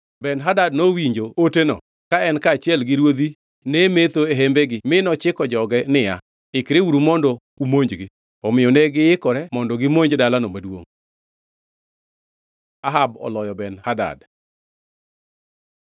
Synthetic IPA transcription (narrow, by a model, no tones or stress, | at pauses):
bɛnɦadadnowiɲd͡ʒootenɔ̰ | kaɛnkaːt͡ʃjɛlɡɪɾwod̪i | nɛmet̪oeɦembeɡɪmɪnɔt͡ʃɪkɔd͡ʒɔɡɛnɪja | ɪkɾeuɾumɔndɔ | umoɲd͡ʒɡɪ | ɔmɪjɔnɛɡɪjɪkɔɾɛmɔndɔɡɪmoɲd͡ʒdalanomadwo̰ŋ | aɦabɔ̰lɔjɔbɛnhada̰d